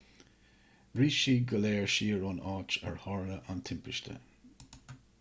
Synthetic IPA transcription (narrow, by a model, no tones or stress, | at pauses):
ɹiːʃiːɡəleːɹʃiːɹɔnɑːt͡ʃɛ̰ɹhɑːɹləʔant̪ʰɪmpʰɪʃt̪ʰə̰